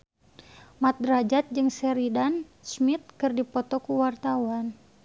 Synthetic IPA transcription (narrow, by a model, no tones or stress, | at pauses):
mat̪̚dɾad͡ʒat̪̚d͡ʒɨŋsɛɾidansmit̪̚kɨrdipɔt̪ɔkuwart̪awan